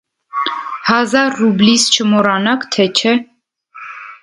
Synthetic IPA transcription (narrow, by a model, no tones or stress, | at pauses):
hɑzɑɾːublist͡ʃʰəmɔɾɑnɑkt̪ʰɛt͡ʃʰɛ